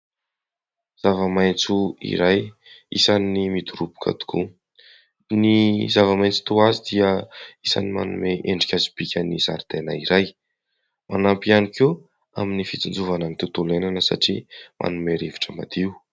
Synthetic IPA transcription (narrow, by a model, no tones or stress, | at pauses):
z̥avəmajnt͡suḭɾaj | isanːimid̪uɾubu̥kʰa̰d̪u̥kʰṵ | nizavəmajnt͡si̥t̪uazid̪iəisa̰nima̰nṵmeʔeɳɖ͡ʐi̥kʲazib̥ikʲənizaɾd̪̥ena̰iɾaj | manampianike | aminifit͡sind͡zuvananik̪ewt̪ulenanəsa̰ʈ͡ʂimʔa̰numeɾevi̥ʈ͡ʂəma̰d̪iu